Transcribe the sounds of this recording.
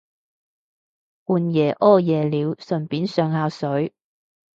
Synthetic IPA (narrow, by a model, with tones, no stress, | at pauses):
kuː˨njɛː˨˩ʔɔː˥jɛː˨˩liː˨˧wsɵ˨˩npiː˨˥nsœː˨˧ŋhaː˧wsɵ˨˥ɥ